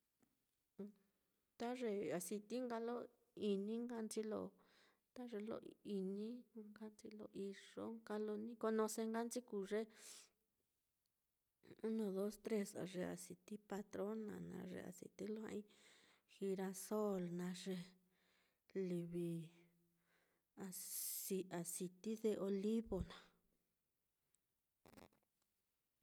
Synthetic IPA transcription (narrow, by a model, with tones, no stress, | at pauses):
t̪a˦ʐe˧a˨si˧t̪i˦ŋɡa˧lo˦ | i˧nĩ˦ŋɡa˧nt͡ʃi˦lo̰˧ | t̪a˦ʐe˧lo̰˧ʔi˧nĩ˦˧ŋɡa˦nt͡ʃi˧lo̰˧ʔi˧ʐo˦ŋɡa˦lo˧nĩ˦ko˧nõ˧se˧ŋɡa˦nt͡ʃi˦ku˧ʐe˦ | nõ˧˨ðo˦st̪ɾe˦sa̰˨ʐe˧a̰˨si˨t̪i˦pa˧t̪ɾo˦nã̰˨nã̰˧ʐḛ˧˨a̰˨sḭ˨t̪i˦lo˦ã̰˦˧ʔĩ˦ | xi˧ɾa˧so˦lnã˧ʐe˧ | li˧βi˧ | a˧si˧a˨si˧t̪i˦ðe˧ʔo˧li˦βo˨nã˨